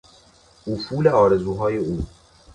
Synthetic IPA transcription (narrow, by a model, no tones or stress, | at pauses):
ufuːleɒːɾe̞zuːɦɒːjeuː